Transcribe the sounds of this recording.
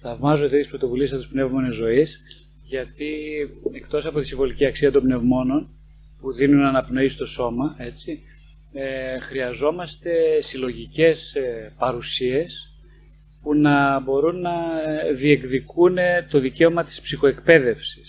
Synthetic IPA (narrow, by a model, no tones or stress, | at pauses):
θɐvmɐzod̪et̪ispɾo̞t̪o̞vulisɐt̪uispne̞vmo̞nezo̞is | ʝɐt̪ie̞kt̪o̞sɐpo̞t̪isiɱvo̞liciɐksiɐt̪o̞mbne̞vmo̞no̞n | puðinunɐnɐpno̞ist̪o̞so̞mɐe̞t͡si | xɾiɐzo̞mɐst̪e̞silo̞ʝice̞spɐɾusie̞s | punɐbo̞ɾunːɐðie̞kðikunet̪o̞ðice̞o̞mɐt̪i̥spsixo̞e̞kpe̞ðe̞fsi̥s